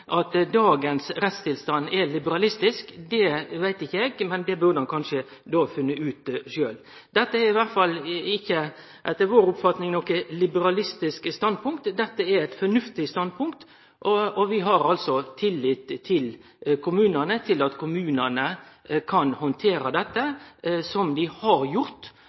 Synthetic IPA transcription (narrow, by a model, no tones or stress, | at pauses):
ʔɑt̪d̪ɑːɡənsɾɛt̪st̪ʰɪlst̪ɑnːɛlɪbəɾɑlɪst̪ɪskd̪ɛʋæɪt̪ɪçəɛɡmɛnd̪ɛbʉɾɖəɑnkʰɑnʂə | d̪ɔfʉnːəʉːt̪ʃøːl | d̪ɛt̪ːəæɾɪʋæɾt̪fɑlɪçːə | ʔɛt̪ːəʋoːɾʊpfɑt̪nɪŋnɔkəlɪbəɾɑlɪst̪ɪskst̪ɑnd̪̚pʰʊŋk̚t̪d̪ɛt̪ːəɛɾæɪt̪fɔɾnʉft̪ɪst̪ɑnd̪̚pʰʊŋkt̪ | ʔɔɔʋɪɦɑɾɑlsɔt̪ʰɪlːiːt̪ʰːɪl | kʰʊmʉːnənət̪ʰɪlɑt̪kʰʊmʉːnənə | kʰɑnhɔnt̪ʰeːɾəd̪ɛt̪ːəsɔmd̪ɪhɑɾjʊɾt̪